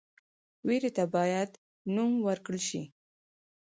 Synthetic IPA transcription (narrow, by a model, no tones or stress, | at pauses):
weɾet̪abɑjad̪ | numwəɾkɽəlʃi